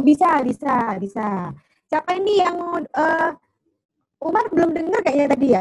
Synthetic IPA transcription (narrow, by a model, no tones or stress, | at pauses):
bisabisabisa | siapainijaŋə | umarbəlʊmdəŋərkaʔjaŋt̪adija